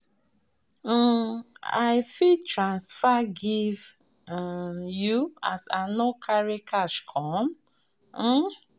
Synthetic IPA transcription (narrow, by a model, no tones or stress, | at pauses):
a̰ɪfitɹãnsfaɡiv | juasanokʰaɹikʰaʃkʰɔ̃m̩